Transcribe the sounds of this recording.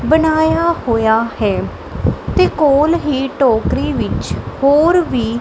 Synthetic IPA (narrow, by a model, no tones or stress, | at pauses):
bənaːjaːhoːjaːhɛː | t̪eːkoːlɦiːʈoːkɾiːʋɪt͡ʃhoːɾʋiː